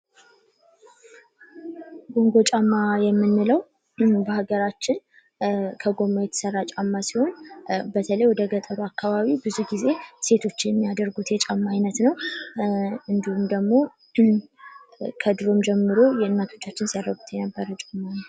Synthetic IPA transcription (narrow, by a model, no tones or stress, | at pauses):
ɡo̞ŋɡo̞t͡ʃʼamːajɛmːɨnːɨləw | bəhaɡəɾat͡ʃːɪn | kʰəɡo̞mːajɛt̪ʰə̥sərːat͡ʃʼamːasiho̞nbət̪ʰələjwɔd̪əɡət̪ʼəɾoakːaβaβibɨzuhɡize̞se̞t̪ʰo̞t͡ʃːɪjɛmːijad̪əɾɡut̪jɛt͡ʃʼamːaːjnət̪nəw | ɨnd̪ihumd̪əɡmo̞ | kʰəd̪ɨɾo̞md͡ʒɛmːɨɾo̞jɛɨnːat̪ʰo̞t͡ʃːat͡ʃːɪnsijad̪ɾɾəɡut̪jɛnəbːəɾət͡ʃʼamːan